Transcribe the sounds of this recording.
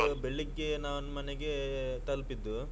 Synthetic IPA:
ɐbeɭːiɡːenaːʋɐnmɐneɡe̞t̪ɐlpid̪ːu

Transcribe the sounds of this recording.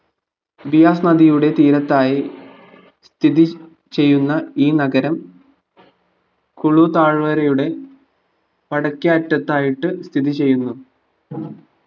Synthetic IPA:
bijaːsnɐd̪ijuɽe̞t̪iːɾɐt̪ːaːji | st̪ʰiði | t͡ɕe̞jːunːɐiːnɐɡɐɾɐm | kuɭut̪aːɻʋɐɾɐjuɽe̞ | pɐɽɐkːiɐːtːɐt̪ːaːjiʈːɨst̪ʰiðit͡ɕe̞jːunːu

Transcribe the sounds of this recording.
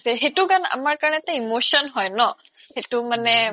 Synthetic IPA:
sɛɦetuɡana̰maɹkaɹɔnɛt̪aimoʃɔnɦɔjnɔ | hetumanɛ

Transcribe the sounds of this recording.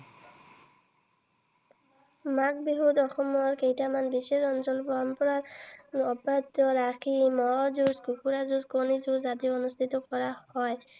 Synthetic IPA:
mak̚biɦutɔxɔmɔɹkejtamanbiseɹɔnsɔlpɔɹɔmpɔɹaɹɔbɹad̪ɔɹakʰimɔzuskukuɹazuskonizuzat̪iɔnust̪ʰitɔkɔɹahɔj

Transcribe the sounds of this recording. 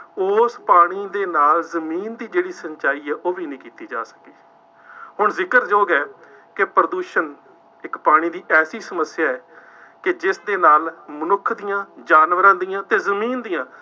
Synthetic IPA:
oːspaːɽ̃iːd̪eːnaːlzəmiːnd̪iːd͡ʒeːɽiːsəɲt͡ʃaːiːɛːʔoːʋiːnĩːkiːt̪iːd͡ʒa̰ːsə̥ki̥ː | ɦʊɳzɪkəɾd͡ʒoːɡɛː | kepɾəd̪uːʃən | ɪkpaːɽ̃iːd̪iːʔɛːsiːsəməsːɪjaːɛː | kɪd͡ʒɪsd̪eːnaːlmənʊkʰd̪ijãːd͡ʒaːnʋəɾãːd̪ijãːt̪eːzəmiːnd̪ijãː

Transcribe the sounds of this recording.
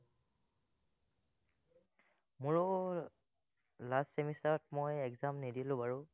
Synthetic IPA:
mʊɹɔ | lastsemisɔt̚mojɛɡzamnidilʊ̃baɹʊ

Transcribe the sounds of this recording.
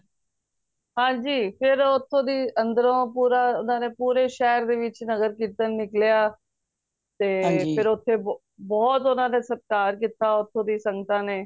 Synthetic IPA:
ɦãːɲd͡ʒiːpʰɪɾʊt̪ʰːõːd̪iːə̃nd̪əɾõːpuːɾaːʊnãːneːpuːɾeːʃɛːɾd̪eːʋɪt͡ʃnəɡəɾkiːt̪ənːɪkljaː | t̪eːpʰɪɾʊt̪ʰːeː | bɔːt̪ʊnãːnẽːsəp̚kaːɾk̬iːt̪aːʊt̪ʰːõːd̪iːsə̃ŋɡət̪ãːneː

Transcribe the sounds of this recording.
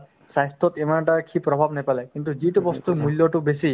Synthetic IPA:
sajst̪ɔt̪emanʈaɹkʰipɾɔbʱabnɛpalɛkint̪uziʈubɔst̪umuljɔʈubesi

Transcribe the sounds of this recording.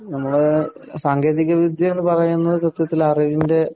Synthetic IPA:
nɐmːɐɭɨ | saːŋɡʱe̞ːðiɣɐʋid̪ʱjɐmenːɨpɐrɐjunːɐðɨsɐt̪jɐt̪ːilɐriʋinde̞

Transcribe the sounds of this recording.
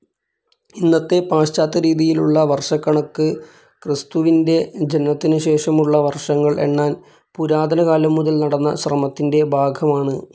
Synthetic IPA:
inːɐt̪ːe̞paːɕt͡ɕaːt̪ːɐɾiːðijiluɭːɐʋɐrʂɐkːɐɳɐkːɨ | krist̪uʋinde̞d͡ʑenɐt̪ːinɨɕe̞ːʂɐmuɭːɐʋɐrʂɐŋːɐɭʔe̞̰ɳːaːn | puɾaːd̪ʱɐnɐɣaːlɐmːuðɐlnɐɽɐnːɐ̰ɕrɐmɐt̪ːinde̞bʱaːɡʱɐmaːɳɨ

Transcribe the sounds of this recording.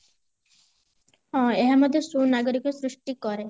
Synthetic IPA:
ɦɔ̃eɦamɔd̪ʱjesunaɡɔɾikɔsɾuʂʈikɔɾe

